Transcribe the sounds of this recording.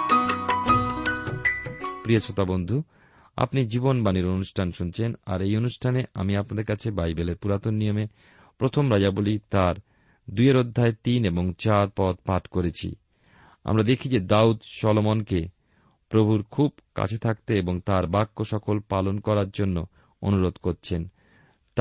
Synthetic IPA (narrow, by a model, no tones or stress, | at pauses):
pɾiot͡ɕʰot̪abond̪ʱu | a̰pnid͡ʑibonbaniɾonuʃʈʰanʃunt͡ɕʰena̰ɾejonuʃʈʰanea̰miapnad̪eɾkat͡ɕʰebajbeleɾpuɾat̪onːijome | pɾot̪ʰomɾad͡ʑabolit̪aɾ | d̪ujeɾod̪ʱːaet̪ineboŋt͡ɕaɾpɔt̪̚paʈkoɾet͡ɕʰḭ | a̰mɾad̪ekʰid͡ʑed̪aut̪ʃɔlomonke | pɾobʱuɾkʰubka̰t͡ɕʰet̪ʰak̚t̪eeboŋt̪aɾbakːoʃɔkolpalonkɔɾaɾd͡ʑonːo | o̰nuɾod̪koɾt͡ɕʰen | t̪